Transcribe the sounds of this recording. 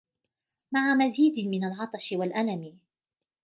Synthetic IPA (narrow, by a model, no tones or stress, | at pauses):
maʕamaziːd̪mɪnalʕɑt̪ˤɑʃɪwalʔalamɪ